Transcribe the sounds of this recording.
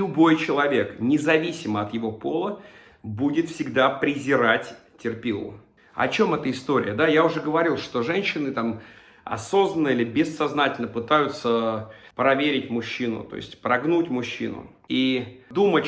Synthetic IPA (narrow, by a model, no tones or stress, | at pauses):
ʊbo̞jt͡ɕɪlˠɐvʲe̞knʲɪzɐvʲisʲɪməɐt̪jɪvo̞po̞lˠə | budʲɪt̪fsʲɪɡd̪apɾʲɪzʲɪɾatʲ | tʲːɪrpʲilˠə̰ | ɐ̰t͡ɕo̞mɛt̪əɪst̪o̞ɾʲɪ̰jəd̪ajaʊʐɛɡəvɐɾʲilˠʂt̪o̞ʐɛnʲɕːɪnɨt̪am | ɐ̰so̞znənːəilʲɪbʲɪsːɐznatʲɪlʲnəpɨt̪ajʊt̪səpɾɐvʲeɾʲɪtʲmʊɕːinʊ̰t̪o̞̰ɪ̰sʲtʲpɾɐɡnutʲmʊɕːḭnʊ̰ | id̪umətʲ